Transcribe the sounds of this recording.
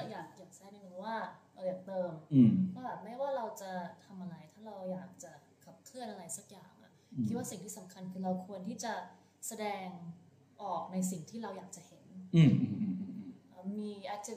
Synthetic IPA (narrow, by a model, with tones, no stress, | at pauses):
a˧˩jaː˨˩k̚jaː˨˩k̚sa˧˥˩na˥˧˩nu˧˥˦waː˥˩ʔaː˧˩jaː˨˩k̚t̪ɤː˧mʰ˧˩ɔ˥˩bɛː˨˩p̚maː˥˩waː˥˩ɾa˧wt͡ɕa˨˩t̪ʰa˧mʔa˧ɾa˧jt̪ʰaː˥˩ɾa˧wjaː˨˩k̚t͡ɕa˨˩ | kʰa˨˩p̚kʰlɯ˥˩ənʔa˧ɾa˧jsa˧˩k̚jaː˨˩ŋʔa̰˨˩ | kʰi˦˥t̪̚waː˥˩si˨˩ŋt̪ʰiː˥˩sa˩˦mkʰa˧nkʰɯː˧ɾa˧wkʰu˧ənt̪ʰiː˥˩t͡ɕa˨˩ | sa˧dɛː˧ŋ | ʔɔː˨˩k̚na˧jsi˨˩ŋt̪ʰiː˥˩ɾa˧wjaː˨˩k̚t͡ɕa˨˩he˩˦nː˧ | ʔəː˧˩miː˧ʔa˧˩tt͡ɕi˧